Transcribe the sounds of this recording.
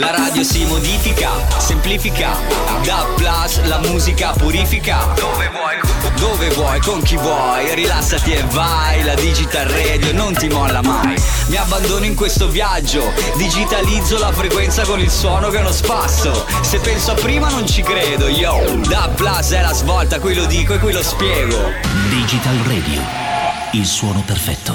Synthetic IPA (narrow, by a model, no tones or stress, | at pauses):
laɾaːd̪josimod̪iːfika̰sempliːfika̰ | d̪aplaslamuːzikapuɾiːfika | jd̪ovevwɔjkoŋk̟ivwɔ | jɾilasːat̪ieva | jlad̪id͡ʒit̪alrɛːd̪jonont̪imɔlːama̰j | miabːand̪oːnoiŋkwest̪ovjad͡ʒːo | d̪id͡ʒit̪alid̪zːolafɾekwɛnt̪sakonilswɔːnokenospasːo | sepːɛnsoapːɾiːmanont͡ʃikɾeːd̪oiːod̪apːlasɛlazvɔlt̪akwilod̪iːkoekːwilospjɛːɡod̪id͡ʒit̪alrɛ̰ːd̪jṵ | ilswɔːnoperfɛ̰t̪ːo